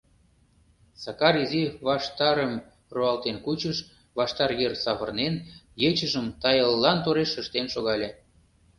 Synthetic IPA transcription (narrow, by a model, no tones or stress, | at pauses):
sɑkɑɾiziβɑʃt̪ɑɾəm | roɑlt̪enkut͡ɕəʃ | βɑʃt̪ɑrjersɑβərnenjet͡ɕəʒəmt̪ɑjəlːɑnt̪oɾeʃəʃt̪enʃoɣɑlʲe